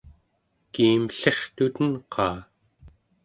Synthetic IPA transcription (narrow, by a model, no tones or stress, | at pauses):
kiːmɬe̞χt̪ut̪ənqʰɑː